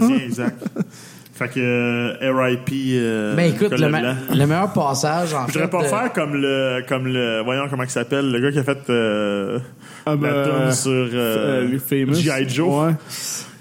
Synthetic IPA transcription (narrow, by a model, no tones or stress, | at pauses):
ɛɡzak̚t̪ | fakəɛʁajpibɛ̃ekʊtkləmɛlãləmɛjœːʁpɑːsaʒɑ̃iʒəʁɛpɔfæːʁkʌmləkɔmləwajɔ̃kɔmãkʲi̥sapɛlːəɡʌkjɐfɛt̪ə | lat̪ʊnsyʁøfeməiajd͡ʒowɛ